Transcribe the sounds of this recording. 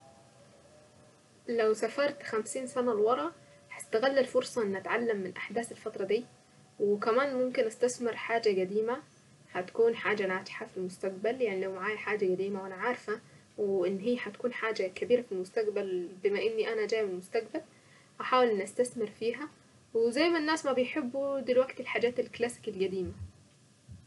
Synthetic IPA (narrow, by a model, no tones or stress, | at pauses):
lawsafɑɾˤt̪xamsiːnsanalwɑɾˤɑʔ | hast̪aɣalːalfʊɾsˤɑʔɪnːʔat̪ʕalːamːɪnʔaħd̪aːθɪlfɑt̪ɾˤɑd̪iː | wkæmaːnmʊmkɪnʔast̪aθmɪɾħaːd͡ʒaɡæd̪iːma | hat̪ḁkuːnħaːd͡ʒanaːt̪ħafilmʊst̪aq̚baljaʕnilawmaʕaːjħaːd͡ʒaɡæd̪iːmawʔanaʕaːɾfa | wʔɪnːɦijːħat̪kuːnħaːd͡ʒakabiːɾafilmʊst̪aqbalbɪmaʔɪnːiʔanad͡ʒ̪aːjmɪlmʊst̪aqbal | ʔaħaːwɪlnʔast̪aθmɪɾfiːɦa | wɪzajːmanːaːsmabɪjħɪbːud̪ɪlwaɡt̪ɪlħaːd͡ʒaːt̪ɪlklaːsɪ̥kɪlɡæd̪iːma